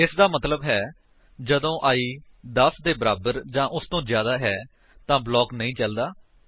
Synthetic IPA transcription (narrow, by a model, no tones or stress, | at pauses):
ɪsd̪aːmət̪ləbɦɛː | d͡ʒəd̪õːʔaːiː | d̪əsd̪eːbəɾaːbəɾd͡ʒãːʔʊst̪õːzjaːd̪aːɦɛː | t̪ãːblɔːknəĩːt͡ʃəld̪aː